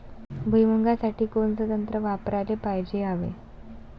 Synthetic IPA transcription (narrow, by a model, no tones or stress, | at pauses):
bʱujməŋɡasaʈiːkonsəd̪ənt̪ɾəʋapɾalepajd͡ʑeaʋḛ